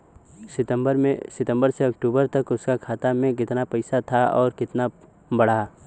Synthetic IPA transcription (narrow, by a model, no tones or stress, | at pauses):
sɪt̪əmbəɾmẽsɪt̪ə̃mbəɾseɐkʈuːbəɾt̪ɐkʊskakʰaːt̪amẽkɪt̪napɛɪsat̪ʰaɔːɾkɪt̪na | bɐɽa